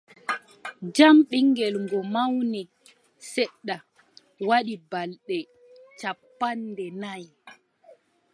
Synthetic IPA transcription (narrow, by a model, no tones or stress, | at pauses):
d͡ʒamɓiŋɡɛlŋɡɔmawni | sɛɗːa | waɗibalɗɛ | t͡ʃapːandɛnaj